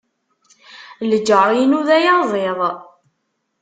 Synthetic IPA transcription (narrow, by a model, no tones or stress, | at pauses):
ləd͡ʒːəɾˤjnuðæjazˤeðˤ